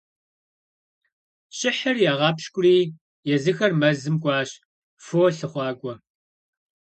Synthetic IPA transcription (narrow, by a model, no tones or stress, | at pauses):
ɕʼɪħɐrjaːʁɑːpʃkʷʼʊriː | jɛzɨxɐrmɐzɨmkʷʼɑːɕ | foːɬɨχʷɑːkʷʼɔ